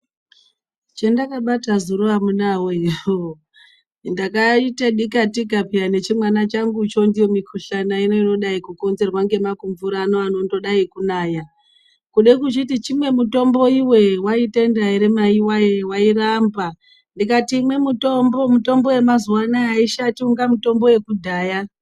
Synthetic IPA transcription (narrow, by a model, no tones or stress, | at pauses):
t͡ʃendakaɓatazuɾuamunawoiroo | ndakaitaɗikatikapiane̞t͡ʃimwanat͡ʃaŋɡut͡ʃo̞ndijo̞mikʰuɬanaino̞ino̞ɗaikuko̞nze̞rwaŋɡe̞makuɱvuɾaːnoano̞ndo̞ɗaikunaːja | kuɗekut͡ʃitit͡ʃimwe̞muto̞mbo̞iwe̞waitendaeɾemaiwajewairamba | ndikatiːmwe̞mutombomuto̞mbo̞we̞mazuwanaaiʃatiuŋɡamuto̞mbo̞je̞kudʱaːja